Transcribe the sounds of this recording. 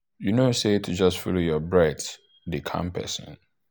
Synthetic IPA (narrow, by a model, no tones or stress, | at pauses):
junosetʰud͡ʒʌstfulojɔbɹɛt | dikʰã̰mpʰɛ̰sə̰̃n